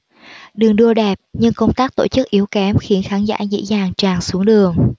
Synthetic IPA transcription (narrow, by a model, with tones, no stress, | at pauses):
ɗɨ˨˩əŋɗu˧əɗɛ˨˩p̚ɲɨ˧ŋkə˧wŋ͡mt̪aː˦˥k̚t̪o̰˧˩t͡ɕɨ˦˥k̚ʔi˨˦əwkɛ˨˦mxi˨˦ənxaː˨˦nza̰ː˧˥zə̰˧˥zaː˨˩ŋt͡ɕaː˨˩ŋsu˨˦əŋɗɨ˨˩əŋ